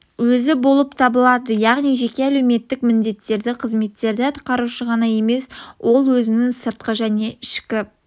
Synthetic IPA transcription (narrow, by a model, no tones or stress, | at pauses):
wɵzɪbo̞lˠəpt̪ʰɑbəlˠɑd̪əjɑʁnijʒe̞kʲe̞æle̞wme̞t̪ːɪkmɪnd̪e̞t̪ːe̞ɾd̪ɪqʰəzme̞t̪ːe̞ɾd̪ɪɑt̪ʰqɑɾuʃəʁɑnɑje̞me̞swʔo̞lˠwɵzɪnɪŋsəɾt̪̚qəʒæne̞ɪʃkʲɪ